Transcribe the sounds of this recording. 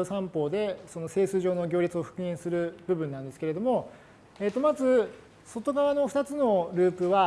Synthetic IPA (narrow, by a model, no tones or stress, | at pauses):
osãmpo̞ːd̪e̞so̞nose̞ːsɨːʑo̞ːno̞ɡʲo̞ːɾʲit͡sɨo̞ɸɯ̟̥kɯ̟ẽɰ̃sɨɾɯ̟bɯ̟bɯ̟nːãnd̪e̞sɨ̥keɾe̞d̪omo̞ | eːt̪ːo̞mazɨ | so̞t̪o̞ɡaβano̞ɸɯ̟t̪at͡sɨno̞ɾɯ̟ːpɯ̟βa